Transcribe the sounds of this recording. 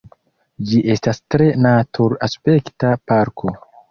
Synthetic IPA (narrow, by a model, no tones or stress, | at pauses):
d͡ʒiʔe̞stastɾe̞natʰuɾaspe̞ktapaɾkʰo̞